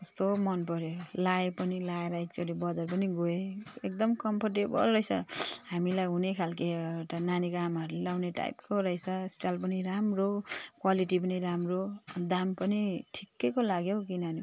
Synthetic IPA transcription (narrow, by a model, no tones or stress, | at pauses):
ʌst̪omʌnpʌɾjolaepʌnilaeɾʌek̚t͡soɾibʌd͡zʌrp̬ʌniɡoeek̚d̪ʌmkʌmpʰʌrʈebʌ̰lrʌjsʰʌ̰hamilajɦunekʰalkeeʈananikamaɾlelawneʈa̰jpkoɾʌjsʰʌesʈalp̬ʌniɾamrokwaliʈip̬ʌniɾamrod̪ampʌniʈʰi̥kːejkolaɡjokinʌni